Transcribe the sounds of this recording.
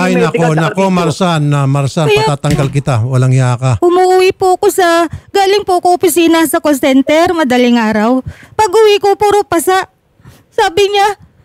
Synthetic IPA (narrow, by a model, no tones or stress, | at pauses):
ajnɐkonɐkomɐɾsanːɐmɐɾsanɐaːt̪ɐŋɡalkɪt̪awɐlɐŋjaːkaʔʊmuʔʊwɪpuɐko̞sɐɡaːlɪŋpʊɐkoʔopɪsiːnɐsɐkonsɛnt̪ɛɾmɐd̪ɐlɪŋaːɾɐwpɐɡʊwɪkopʊɾʊpɐsaʔ | saːbɪɲa